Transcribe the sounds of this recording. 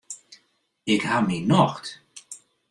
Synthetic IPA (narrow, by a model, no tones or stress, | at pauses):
ɪkhaminɔxt